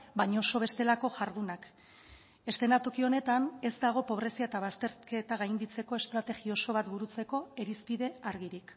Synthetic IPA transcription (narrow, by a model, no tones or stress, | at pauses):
baɲaoso̞β̞e̞st̪e̞lako̞ʝaɾðunak | e̞st̪e̞nat̪o̞kio̞ne̞t̪ane̞zd̪aɣ̞o̞po̞β̞ɾe̞siaet̪aβ̞ast̪e̞ɾke̞t̪aɣajnd̪it͡se̞ko̞e̞st̪ɾat̪e̞ɣio̞so̞βat̪buɾut͡se̞ko̞e̞ɾispiðe̞aɾɣiɾik